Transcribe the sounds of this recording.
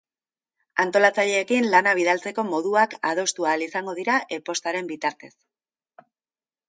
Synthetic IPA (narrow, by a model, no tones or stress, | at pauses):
ant̪o̞lat͡saʎe̞ːkinlanaβ̞iðalt͡se̞ko̞mo̞ð̞uakað̞o̞st̪uaːlisaŋɡo̞ð̞iɾaʔe̞po̞st̪aɾe̞mbit̪aɾt̪e̞s